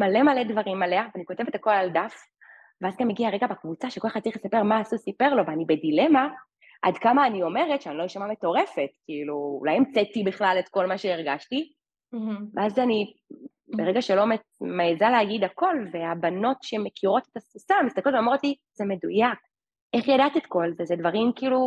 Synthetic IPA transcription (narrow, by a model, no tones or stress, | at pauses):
malemaledvaʁimaleaveaniko̞te̞ve̞tako̞lald̪af | veazɡamːeɡiaʁeɡabekvut͡saʃeko̞lxχad̚t͡saʁiχlesape̞ʁmaːsusipe̞ʁlo̞veanibedilema | ʔa̰dkamaːnio̞me̞ʁetʃeanilojiʃamame̞to̞ʁe̞fe̞tkiilṵːlajemt͡setibiχlaletko̞lmaʃeiʁɡaʃti | veazani | beʁeɡaʃelo̞me | meːzaleɦaɡidako̞lveabano̞tʃemekʰiʁo̞tetasusamist̪aklotvomot̪li | zeme̞dujak | ʔeχjadat̪etko̞lzezed̪vaʁimkiːlu